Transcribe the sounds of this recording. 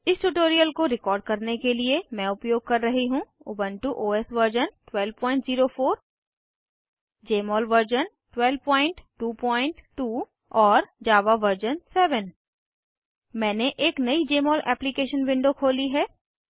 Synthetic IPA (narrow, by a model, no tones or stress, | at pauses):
ɪsʈuʈoːɾijəlkoɾɪkɔːɾɖ̚kɐɾnekeliemɛ̃ʊpjoːɡ̚kɐɾːɐɦiɦũʊ̰bə̃nʈuʔoːɛsʋəɾd͡ʒənʈwɛlʋpɔ̃ːɪ̃ɳʈziːɾofʰoːɾ | d͡ʒeːmɔːlʋəɾd͡ʒən | ʈwɛlʋpɔ̃ːɪ̃ɳʈʈuːpɔ̃ːɪ̃ɳʈʈuː | ɔːɾd͡ʒaːʋaʋəɾd͡ʒənsɛːʋən | mɛ̃ːneʔeːknɐid͡ʒeːmɔːlʔɛ̰ːplikeːʃənʋɪ̃ɳɖokʰoːliɦɛː